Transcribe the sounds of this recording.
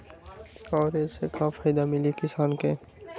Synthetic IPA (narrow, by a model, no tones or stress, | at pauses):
ɔːɾeːsekaːfʰaːjd̪amɪlikɪsaːnke